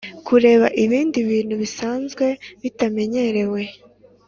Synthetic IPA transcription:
kʰuɾe̞ːβaʔiβiːndiβiːn̥huβisaːnzɡwe̞βitame̞ɲe̞ɾe̞we̞

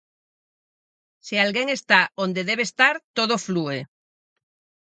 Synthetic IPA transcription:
sialɣeŋest̪aond̪eðeβeːst̪aɾt̪oð̞oflue

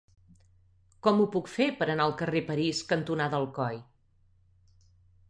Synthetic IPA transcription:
kɔmupukfepəɾənaəlˠkərepəɾiskənt̪unaðəlˠkɔj

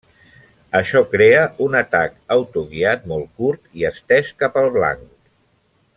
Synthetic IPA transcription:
əʃɔkɾeəʔunət̪akəwt̪uɣiat̪̚mɔlˠkuɾt̪iəst̪ɛʃkapəlˠβla̰ŋk

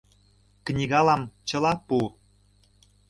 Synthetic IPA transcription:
knʲiɣɑlɑmt͡ɕə̆lɑpu

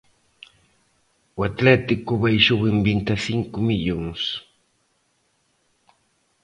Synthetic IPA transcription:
wat̪let̪ikʊβajʃʊɣɪmbint̪asiŋkʊmiʎoŋs

